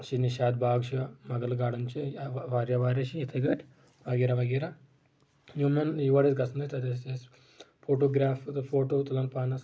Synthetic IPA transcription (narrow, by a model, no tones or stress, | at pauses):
ʃiniʃaːd̪̚bʱaːɡʃɐmɐɡɐlɡaːɽɐnt͡ʃiʋaːɾjɐʋaːɾɐʃiit̪ʰɐɡɐʈʰ | ʋɐɡiːɾɐʋɐɡiːɾɐ | jumɐnjiʋɐːɽesɡɐsɐnɐt̪ɐd̪eses | fʰoːʈoːɡɾaːffoːʈoːt̪ɐlɐnpaːnɐs